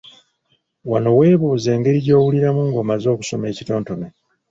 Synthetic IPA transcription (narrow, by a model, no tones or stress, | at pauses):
wano̞we̞ːβuːze̞ːŋɡe̞ɾiɟo̞ːwuliɾamuŋɡo̞ːmazo̞ːku̥so̞me̞ːcito̞ːnto̞me